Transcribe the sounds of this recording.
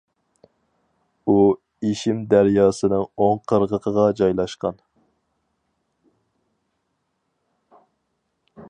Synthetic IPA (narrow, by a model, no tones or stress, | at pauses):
u | eʃimd̪æɾjɑːsɨnɨŋoŋqʰəɾʁəqʰəʁɑd͡ʒɑjlˠɑʃqɑn